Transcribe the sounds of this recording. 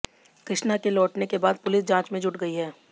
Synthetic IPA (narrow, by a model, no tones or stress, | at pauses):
kɾɪʃnakelɔːʈnekebaːd̪̚pʊlɪs̬d͡ʒãːt͡ʃmẽd͡ʒʱʊʈɡɐiɦɛː